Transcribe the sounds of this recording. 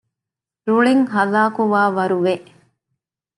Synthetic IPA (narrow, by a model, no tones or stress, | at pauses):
ɾuɭiŋɦɐlaːkuʋaːʋɐɾuʋeʔ